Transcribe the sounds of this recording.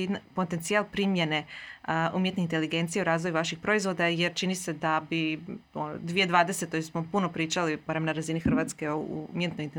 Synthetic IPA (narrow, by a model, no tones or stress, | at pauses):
npot̪ent̪sialˠpɾimje̞ne̞ | umjet̪neint̪e̞liɡe̞nt̪sijeuɾaːzʋojuʋaʃixpɾo̞izʋo̞d̪ajeɾt͡ʃinise̞d̪abiono̰d̪ʋied̪ʋaːd̪e̞set̪ojesmo̞puno̞pɾiːt͡ʃalibaɾemnaɾazinixr̩ʋaːt̪ske̞oṵmje̞t̪nojint̪e